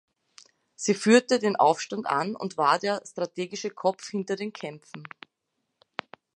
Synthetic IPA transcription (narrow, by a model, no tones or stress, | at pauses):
z̥iːfyːɐtədeːnʔa̰ʊfʃtanta̰nʊ̰ntv̥aːɐdeːɐstʁ̥atʰeːɡɪʃəkʰɔp͡fhɪntɐdeːnkʰɛmp͡fn̩